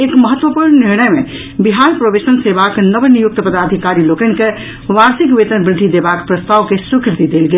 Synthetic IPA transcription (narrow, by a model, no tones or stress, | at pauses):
ekməɦət̪ːʋəpuɾnniɾñəjmḛ | biɦanpɾobesənsebaknəbnijuk̚t̪əpəd̪ad̪ʱikaɾilokənke | ʋaɾsikʋet̪ənbɾɪd̪ʱːid̪ebakpɾəst̪aʋkesukɾɪt̪id̪elɡel